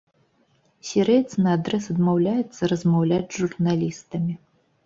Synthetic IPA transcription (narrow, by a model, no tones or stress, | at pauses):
sʲɛɾɛjt̪snɐad̪ɾɛsɐd̪mawlʲajɛt̪sːɐɾɐzmawlʲad͡zʲʐurnalʲist̪ɐmʲi